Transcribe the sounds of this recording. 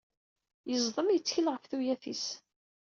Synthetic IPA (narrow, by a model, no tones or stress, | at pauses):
jəzˤðˤəmjət͡sːçəlʁəfθujæθis